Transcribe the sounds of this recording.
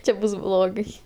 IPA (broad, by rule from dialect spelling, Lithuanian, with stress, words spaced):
ˈt͡ʃʲɛ ˈbʊs ˈblˠoːɡɐɪ